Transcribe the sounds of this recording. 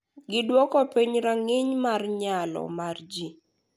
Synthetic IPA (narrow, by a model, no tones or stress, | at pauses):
ɡɪdwɔkɔpiɲɾaŋɪɲmarɲalɔ̰mard͡ʒi